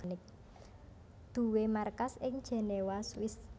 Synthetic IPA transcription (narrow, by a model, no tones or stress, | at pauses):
nɪk̚ | d̪̥ṳwemarkasɪŋ̥ʒ̥e̤newaswɪs